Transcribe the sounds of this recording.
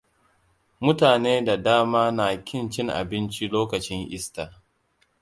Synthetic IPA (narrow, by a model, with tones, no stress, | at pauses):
mʊ˦taː˨neː˦da˨daː˦maː˦na˨kʲɪ˦˨nt͡ʃɪ˦ŋʔa̰˨bɪ˦nt͡ʃi˦loː˦kɐ˨t͡ʃɪ˦ŋʔɪ̰˦staː˨